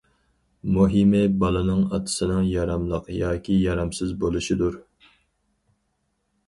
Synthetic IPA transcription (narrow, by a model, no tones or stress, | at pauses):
muɦimɪbɑlˠɨnɨŋɑt̪ʰɨ̥sɨnɨŋjɑɾɑmlˠəqjɑːkʲʰijɑɾɑmsɪzbolˠuʃid̪uɾ